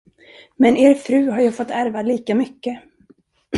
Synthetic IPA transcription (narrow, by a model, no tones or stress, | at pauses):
mɛnʔeːɾfɾʉ̟ːɦaɾjɑfɔt̪ːæɾvaliːkamʏkːə